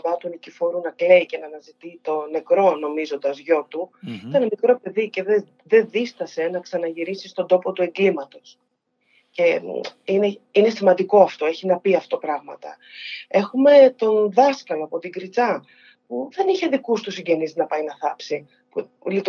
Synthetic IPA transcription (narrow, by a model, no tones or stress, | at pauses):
mɐt̪unicifo̞ɾunɐkle̞icenɐnɐzit̪it̪o̞ne̞kɾo̞no̞mizo̞nd̪ɐzʝo̞t̪uit̪ɐnɐmikɾo̞pe̞ðice̞ðe | ðe̞ðist̪ɐse̞nɐksɐnɐʝiɾisist̪o̞nd̪o̞po̞t̪ue̞ŋɡlimɐt̪o̞s | ce̞ineine̞simɐnd̪iko̞ɐft̪o̞e̞çinɐpiɐft̪o̞pɾɐɣmɐ̰t̪ɐ̰ | e̞xume̞t̪o̞nðɐskɐloɐpo̞t̪iɡɾit͡sɐ | puðe̞niçe̞ðikust̪usiɲɟe̞nizinɐpɐjnɐθɐpsi | pu | lit̪